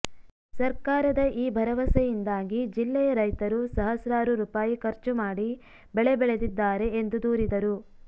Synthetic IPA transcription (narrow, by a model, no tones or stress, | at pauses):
sɐɾkaːɾɐd̪ɐʔiːbʱɐɾɐʋɐsɛjind̪aːɡid͡ʒilːɛjɐɾɐjt̪ɐɾusɐɦɐsɾaːɾuɾuːpaːjikɐɾt͡ʃumaːɽi | bɛɭebɛɭe̞d̪id̪ːaːɾe̞end̪ud̪uːɾid̪ɐɾu